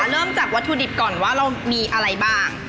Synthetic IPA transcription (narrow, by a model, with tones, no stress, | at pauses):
ɾɤː˥˩mt͡ɕa˨˩k̚wa˦˥t̪ʰːuː˧di˨˩p̚kɔː˨˩nwaː˥˩ɾa˧wmiː˧ʔa˧ɾa˧jbaː˥˩ŋ